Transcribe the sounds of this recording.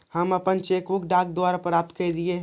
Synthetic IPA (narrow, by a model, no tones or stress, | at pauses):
həməpənt͡ʃekʋukɖak̚d̪owaɾapɾap̚t̪kəd̪ieɦ